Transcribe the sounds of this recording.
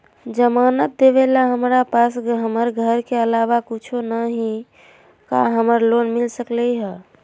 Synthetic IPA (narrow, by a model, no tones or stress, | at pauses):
d͡ʒəmanət̪̚d̪eβelaɦəmɾapasɦəməɾɡʱəɾkeəlaʋakut͡ʃʰonəɦĩ | ka̰ɦəməɾlonmilsəklɛɦə